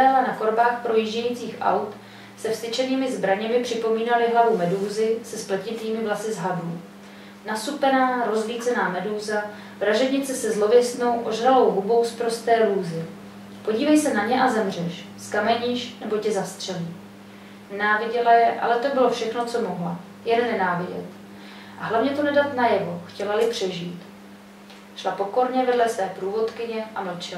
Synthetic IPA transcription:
ɛlanako̞ɾbaːxpɾo̞jiʒɟɛjit͡siːxʔa̰wt̪ | sɛfst̪ɪt͡ʃɛniːmɪzbɾaɲɛmɪpr̝̥ɪpo̞miːnalɪɦlavumɛduːzɪsɛsplɛcɪt̪iːmɪvlasɪzɦaduː | nasupɛnaːɾo̞zliːt͡sɛnaːmɛduːza | vɾaʒɛbɲɪt͡sɛsɛzlo̞vɪst̪no̞wʔo̞ʒɾalo̞wɦubo̞wspɾost̪ɛːluːzɪ | po̞ɟiːvɛjsɛnaɲɛʔazɛmr̝ɛʃ | skamɛɲiːʃnɛbo̞cɛzast̪r̝̥ɛliː | nɛnaːvɪɟɛlajɛʔa̰lɛt̪o̞bɪlo̞fʃɛxno̞t͡so̞mo̞ɦla̰ | jɛnnɛnaːvɪɟɛ̰t̪ | ʔaɦlavɲɛt̪onɛdat̪najɛvo̞xcɛlalɪpr̝̥ɛʒiːt̪ | ʃlapo̞ko̞ɾɲɛvɛdlɛsvɛːpɾuːvo̞t̪kɪɲɛʔaml̩t͡ʃɪla

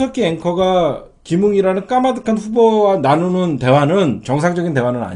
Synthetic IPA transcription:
ʌkʰieŋkʰʌɡa | kimuŋiɾanɯnk͈amadɯkʰanɸubowananonɯnte̞wanɯnt͡ɕʌŋs̬ʰaŋd͡ʑʌɡint̬e̞wanɯna̰ɲ

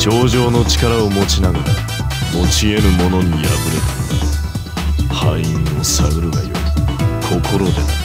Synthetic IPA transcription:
t͡ɕo̞ːʑo̞ːno̞t͡ɕi̥kaɾaomo̞t͡ɕinaɡaɾa̰ | mo̞t͡ɕie̞ɾɯ̟mo̞no̞ɲ̟ija̰bɯ̟ɾe̞t̪a | haĩosaɡɯ̟ɾɯɡa̰jo̰ikʰo̞kʰo̞ɾo̞d̪e

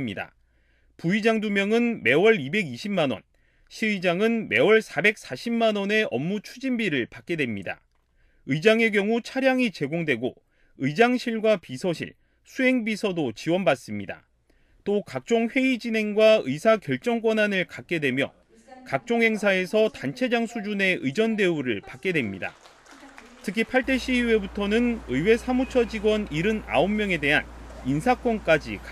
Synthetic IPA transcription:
mɲida̰ | puid͡ʑaŋdumjʌŋɯnme̞wʌɾibe̞ɡiɕʰimanwʌ̰n | ɕʰiɯid͡ʑaŋɯnme̞wʌɭsʰabe̞k̚s͈aɕʰimmanwʌne̞ʌmːut͡ɕʰud͡ʑinbiɾɯɭpak̚k͈e̞dwe̞mɲida̰ | ɯid͡ʑaŋe̞ɡjʌŋut͡ɕʰaɾjaŋit͡ɕe̞ɡoŋdwe̞ɡo | ɯjd͡ʑaŋɕʰiɭɡwapisʰʌɕʰḭɭ | sʰuɦe̞ŋbisʰʌdot͡ɕiwʌnbas͈ɯmɲida̰ | t͈okak̚t͡ɕ͈oŋɸwe̞id͡ʑine̞ŋɡwaɯisʰakjʌɭt͡ɕ͈ʌŋk̬͈wʌnanɯɭkak̚k͈e̞dwe̞mjʌ̰ | kak̚t͡ɕ͈oŋɦe̞ŋsʰae̞sʰʌtant͡ɕʰe̞d͡ʑaŋsʰud͡ʑune̞ʔɯjd͡ʑʌnde̞uɾɯ̰ɭpak͈̚e̞dwe̞mɲida̰ | tʰɯkʰipʰaɭt͈e̞ɕ͈ʰiwe̞butʰʌnɯnɯjwe̞sʰamut͡ɕʰʌd͡ʑiɡwʌniɾɯna̰omːjʌŋe̞de̞ɦaninsʰak͈ʰʌnk͈ad͡ʑḭka

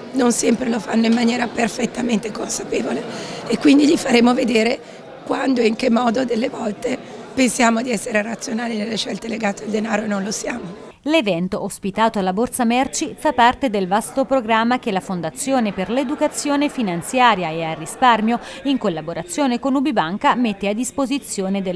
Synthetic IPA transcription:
nonsɛmpɾelofanːoimːanjɛːɾaperfet̪ːament̪ekonsapeːvoleekwind̪iʎifaɾeːmoved̪eːɾe | kwand̪oiŋkemːɔːd̪od̪elːevɔlt̪e | pensjaːmod̪iɛsːeɾerat̪sːjonaːlinelːeʃɛlt̪eleɡaːt̪eald̪enaːɾoenːõnlosjaːmo | levɛnt̪oːspit̪aːt̪oalːabort̪samɛrt͡ʃifapːart̪ed̪elvast̪opɾoɡɾamːak̟elafond̪at̪sːjoːneperled̪ukat̪sːjoːnefinant̪sjaːɾjaearːisparmjoiŋkolːaboɾʔat̪sːjoːnekonubibaŋkamet̪ːead̪ːispozit̪sːjoːned̪e

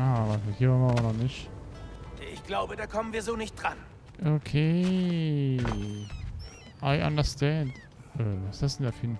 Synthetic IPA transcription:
ʔaːvathiːɐvanvavɐnɔnɪçt | ɛɪçɡ̥laʊbədaːkʰɔmənviːɐzoːnɪçt̚d̥ʁan | ʔokʰeː | ʔaɪʔã̰ndəstʰɛnd | ʔvasd̥asɪnfiːn

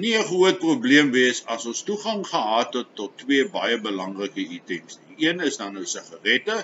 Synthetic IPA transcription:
niəχuət̚prubliəmviəsɐsɔnstuχɐŋχəɦɑːtətːɔtːwiəbɐjəbəlɐŋrəkəitəŋsniiənəsdɑːnəwsəχɐrɛtə

